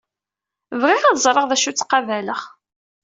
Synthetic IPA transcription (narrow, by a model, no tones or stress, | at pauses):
vʁɪʁæðzˤɾˤəʁðæʃut͡sːqɑvæləχ